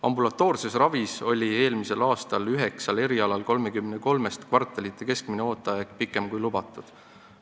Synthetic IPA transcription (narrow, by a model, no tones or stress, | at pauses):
ɑmbulɑt̪ːˑo̞ːrse̞srɑviso̞lʲie̞ːlmise̞lɑːst̪ɑlyɦeksɑle̞ɾiɑlɑlko̞lmekymːneko̞lme̞st̪kvɑrt̪ːˑelit̪ːˑe̞ke̞skmineo̞ːt̪ːˑɑjɑɡ̥pikːˑe̞mkujlubɑt̪ːˑud̪̥